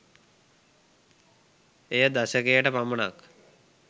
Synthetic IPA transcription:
ejəd̪aɕəkejəʈəpaməɳa̰k

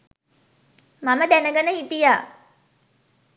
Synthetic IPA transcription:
maməd̪ænəɡənəiʈijaː

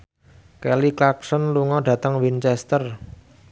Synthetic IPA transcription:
kɛliklak̚sɔnluŋɔɖ̥a̤t̪əŋwint͡ʃɛst̪ər

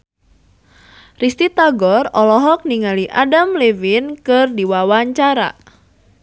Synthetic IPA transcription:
rist̪it̪aɡɔrɔlɔɦɔk̚niŋaliʔadamlewinkɨrdiwawaɲt͡ʃaɾa̰

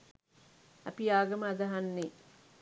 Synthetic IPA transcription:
a̰piaːɡəməːd̪ɐɦanːe

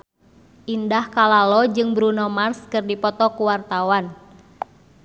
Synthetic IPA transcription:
ʔindahkalalɔd͡ʒɨŋbɾunɔmarskɨrdipɔt̪ɔkuwart̪awan

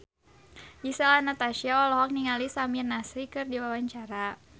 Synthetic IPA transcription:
ʔisaanat̪aʃiaɔlɔɦɔk̚niŋalisaminasɾikɨrdiwawaɲt͡ʃaɾa

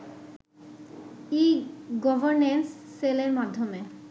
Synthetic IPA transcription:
iɡɔbʱoɾnensːeleɾmad̪ʱːome

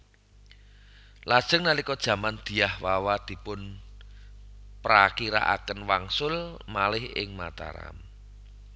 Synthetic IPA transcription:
lad̥ʒ̥ə̤ŋnalikɔd̥ʒ̥ä̤mand̪̥i̤jahwawad̪̥i̤pʊn | pɾakiɾa̰ʔa̰kənwaŋsʊlmalɪhɪ̰ŋmat̪a̰ɾa̰m

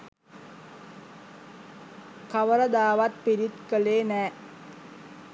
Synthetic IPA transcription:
kaʋəɾəd̪aːʋat̪̚piɾit̪kəleːnɛː

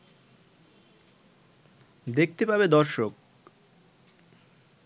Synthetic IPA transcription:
d̪ek̚ʰt̪epabed̪ɔɾʃok̚

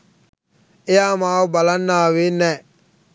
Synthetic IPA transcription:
ɪjamaʊbalanːaːwɪnɛ

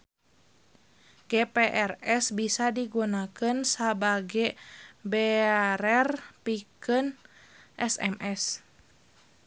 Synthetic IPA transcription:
ɡ̥ɛpeʔɛrɛsbisadiɡunakənsabaɡɛbɛaɾɛrpikənʔɛsɛ̰mʔɛs

